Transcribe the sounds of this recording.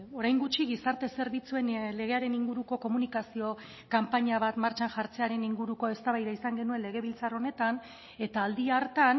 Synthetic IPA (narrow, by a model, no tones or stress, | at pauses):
o̞ɾajŋɡut͡ʃiɣisaɾt̪e̞se̞ɾβit͡sue̞nle̞ɣ̞e̞aɾe̞niŋɡuɾuko̞ko̞munikasio̞ | kampaɲaβat̪maɾt͡ʃanʝaɾt͡se̞aɾe̞niŋɡuɾuko̞e̞st̪aβajðaisaŋɡe̞nue̞nle̞ɣ̞e̞β̞ilt͡saro̞ne̞t̪an | e̞t̪aːld̪iaɾt̪an